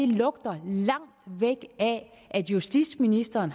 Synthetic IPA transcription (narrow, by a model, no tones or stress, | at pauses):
e̝lɔ̽ɡ̥̚d̥ɐlɑ̈ŋ̰d̥ʋeɡ̥æ | ʔæd̥jusd̥i̥sminisd̥ɐːn